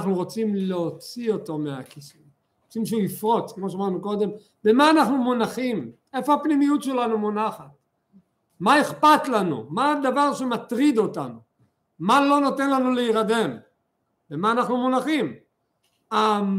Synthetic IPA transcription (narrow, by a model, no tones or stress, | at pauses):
χnuʁot͡simleot͡sio̞to̞mea̰kisu | ot͡simʃeuifʁo̞t͡skmoʃ̬amaʁnuko̞d̪e̞m | bemaːnaχnumunaχim | e̞fo̞apnimijutʃe̞lanumonaχat̚ | maeχpat̪lanṵmad̪avaʁʃe̞mat̪ʁid̪o̞tanu | malo̞no̞t̪e̞nlanuleiʁad̪e̞m | bemaːnaχnumunaχim | a